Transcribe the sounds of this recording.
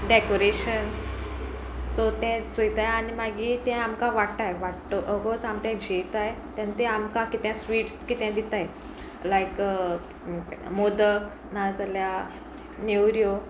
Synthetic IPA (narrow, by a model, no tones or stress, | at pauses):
ɖekoɾeɕən | sot̪ɛ̃t͡sojt̪ajanimaɡiːt̪ɛ̃amkãʋaʈt̪ajʋaʈt̪oʔəɡot͡samt̪ɛ̃d͡ʑʱet̪ajt̪jãnt̪ɛamkãkit̪jãsʋiːʈskit̪ɛ̃d̪it̪aj | lajk | mod̪ək | nad͡zalja | newɾjo